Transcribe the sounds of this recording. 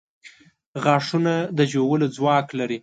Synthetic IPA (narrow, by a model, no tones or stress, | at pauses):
ɣɑʂunad̪əd͡ʒowəlod͡zwɑklaɾi